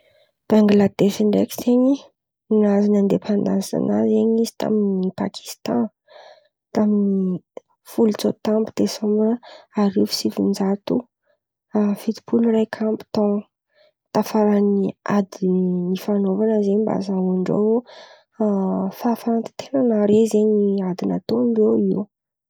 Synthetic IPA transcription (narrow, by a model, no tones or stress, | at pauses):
b̥aŋɡlad̪eʃiɳɖ͡ʐekʲi̥zeɲi | inazanand̪efand̪aza̰na̰zeɲizi̥t̪a̰minipa̰kʰi̥st̪ã | t̪amini | fult͡sot̪ambu̥t̪esomanəaɾifi̥sifund͡zat̪u | afit̪i̥pʰulurajkʰambu̥t̪ɔ | t̪afaɾaniad̪inifanovanəzeɲmba̰zauɳɖ͡ʐo̰w | faːfaɾant̪i̥t̪ʰenanaɾezeɲiad̪ina̰t̪oamboiw